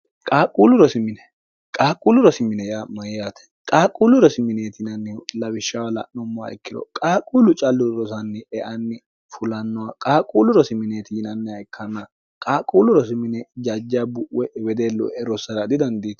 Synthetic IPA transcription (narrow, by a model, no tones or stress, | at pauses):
kʼaːkʼuːlʊɾɔsɪmɪnɛ | kʼaːkʼuːlʊɾɔsɪmɪnɛjamɐjjaːt̪ɛ̥ | kʼaːkʼuːlʊɾɔsɪmɪneːt̪ɪnɐnːɛlɐbɪʃːɐwɐlɐ̰ʔnɔmːɔwa̰ɪkːɪd̪ɔ̰kʼaːkʼuːlʊt͡ʃʼɐlːʊɾɔsɐnːɛɛʔɐnːɪ | fʊlɐnːɔwakʼaːkʼuːlʊɾɔsɪmɪneːt̪ɪnɐnːɛɐjkʰːɐnːɐ | kʼaːkʼuːlʊɾɔsɪmɪnɛd͡ʒɐd͡ʒːabʊʔwɛwɛd̪eːlːɔ̰ɛɾɔsɐɾɐd̪ɪd̪ɐnd̪iːt̪